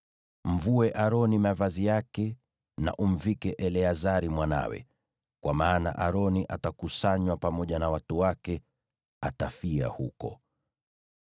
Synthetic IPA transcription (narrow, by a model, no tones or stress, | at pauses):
m̩vuɛʔaɾɔnimavazijakɛ | na̰ʔum̩vikɛʔɛlɛazaɾimwana̰wɛ̰ | kwamaːna̰ʔaɾɔniʔatakusaɲwapamɔʄanawatuwakɛ | atafia̰hṵkɔ̰